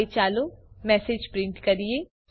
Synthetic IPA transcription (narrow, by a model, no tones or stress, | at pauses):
et͡ʃaːlomɛːseːd͡ʒpɾɪ̃ɳʈkɐɾieː